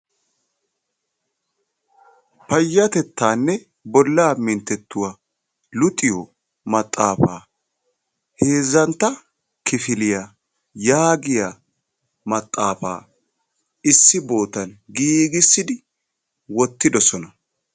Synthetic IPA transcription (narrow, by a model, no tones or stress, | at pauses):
pɐjːɐt̪ɛt̪ːaːnːɛ | bɔlːaːmɪnt̪ːɛt̪ːʊwa | lʊt̪ʼːɪjɔ | mɐt̪ʼːaːfaː | heːzːɐnt̪ːɐ | kɪfɪlɪja | jaːɡɪja | mɐt̪ʼːaːfa̰ː | ɪsːɪbo̞ːt̪ɐnɡiːɡɪsːɪd̪ɪ | wɔt̪ːɪd̪ɔsɔnɐ